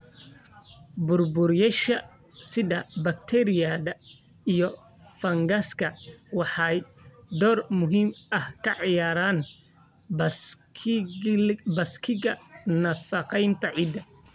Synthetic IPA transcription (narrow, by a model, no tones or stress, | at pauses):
bʊrbʊrjɐʃɐ | sɪðɐbɐkt̪ʰɛɾɪjɐðɐ | ijɔ | fɐŋɡɐskʰɐwɑħɑjd̪ɔːrmʊɦiːmʔɐhkʰɐʕɑjaːɾaːn | bɐskʰɪɣɐnɐfɐqɛjnt̪ʰɐʕiːd̪ɐ